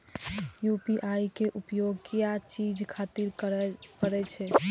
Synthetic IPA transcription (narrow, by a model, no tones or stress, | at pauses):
jupiʔajkeʔupjoɡkijat͡ʃid͡ʒkʰat̪iɾkəɾɛt͡ʃʰɛ